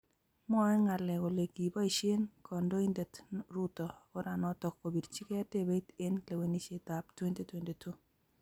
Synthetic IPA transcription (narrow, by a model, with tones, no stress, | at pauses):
mɔ˦ɛ˦ŋa˨lɛ˨ɡo˨le˨ɡi˨bɔ˦i˨ʃe˦nkɔ˨ndo˦i˦nde˨tɾu˦tɔ˨ɔ˦ɾa˨nɔ˦tɔ˨k̚ko˨bi˨dt͡ʃi˦ke˦a˦te˦be˦te˦nle˨we˨ni˦ʃe˨ta˨ptwe˦nte˦twe˨nde˨tu˦